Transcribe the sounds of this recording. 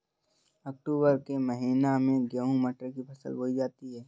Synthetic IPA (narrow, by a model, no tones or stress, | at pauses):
ɐk̚ʈuːbəɾkeməɦiːnamẽɡəɦũməʈɾkipʰɐsə̰lɦoːid͡ʒaːt̪iɦɛː